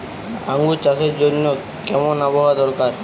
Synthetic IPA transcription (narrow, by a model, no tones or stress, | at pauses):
aŋɡut͡ɕaʃeɾd͡ʑonːo | kɛmonaboɦad̪ɔɾkaɾ